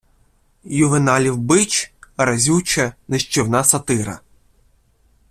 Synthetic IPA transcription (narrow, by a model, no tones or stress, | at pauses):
jʊʋenɑlʲiwbɪt͡ʃɐɾɐzʲut͡ʃɛnɪʃt͡ʃɪwnɑsɐt̪ɪɾɐ̰